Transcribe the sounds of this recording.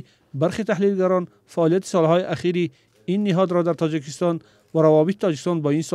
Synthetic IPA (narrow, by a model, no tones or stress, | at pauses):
baɾχet̪ʰaɦlilɡaɾɔn | faːlijat̪i̥sɔlhɔiʔaχiɾi | inːiɦɔd̪ɾɔd̪aɾt̪ʰɔd͡ʒikist̪ɔn | vaɾavɔbit̪i̥t̪ʰɔd͡ʒikist̪ɔnbɔins